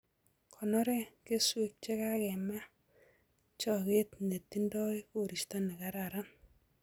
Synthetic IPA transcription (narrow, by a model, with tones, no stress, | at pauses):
kʰɔ˨nɔ˦ɾɛ˦ke˦swe˨k̚t͡ʃe˦ka˦kɛ˨ma˦ | t͡ʃɔ˨ke˦tne˨ti˦ndɔ˦jko˨ɾi˨ʃtɔ˦nɛ˨ka˦ɾa˨ɾa˦n